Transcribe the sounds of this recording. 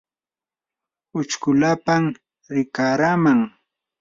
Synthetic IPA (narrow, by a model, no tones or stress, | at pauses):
ʊt͡ʃkʊlapam | ɾɪkaɾamaŋ